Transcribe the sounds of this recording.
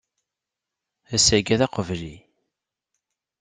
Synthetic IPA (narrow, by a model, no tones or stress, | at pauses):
æsæɡæðɑqəvli